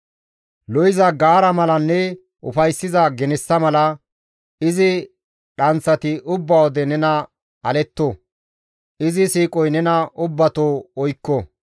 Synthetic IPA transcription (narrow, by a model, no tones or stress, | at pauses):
lɔjɪzɐɡaːɾɐmɐlɐnːɛ | ʔʊ̰fɐjsːɪzɐɡɛnɛsːɐmɐlɐ | ɪzɪ | ɗɐnt͡sːɐt̪ɪʔʊbːɐwɔd̪ɛnɛnɐ | ɐlɛt̪ːo | ɪzɪsiːkʼɔjnɛnɐʔʊbːɐt̪oːɔjkːɔ